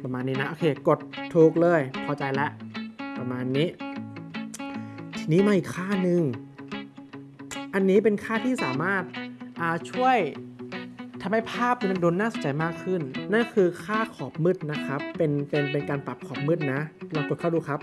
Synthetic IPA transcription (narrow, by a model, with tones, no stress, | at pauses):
pa˧maː˧nːiː˦˥na˦˥ʔoː˧kʰeː˧˩ko˨˩t̪ʰːuː˧˩k̚lɤː˧˩jkʰɔː˧t͡ɕa˧jlɛ˦˥ʔpa˧maː˧nːiː˦˥ | t̪ʰi˧niː˦˥˩maː˧ʔiː˨˩kʰːaː˥˩nɯ˧ŋ | ʔa˧nːiː˦˥p̬e˧nkʰaː˥˩t̪ʰiː˥˩saː˨˩˦maː˥˩t̪̚ʔaː˧˩t͡ɕʰu˥˩əj | t̪ʰa˧mha˥˩pʰaː˥˩p̚na˧˥˩doː˧nːaː˥˩˨so˨˦nt͡ɕa˧˦jmaː˥˩kʰːɯ˥˩nːa˥˩˨kʰɯː˧kʰaː˥˩kʰɔː˨˩p̚mɯ˦˥˩t̪̚na˦˥kʰa˦˥pːe˧npe˧np̬e˧nkaː˧npa˨˩p̚kʰɔː˨˩p̚mɯ˥˩t̪̚na˦˥lɔː˧ŋk̪o˨˩kʰa˥˩duː˧˩kʰa˦˥p̚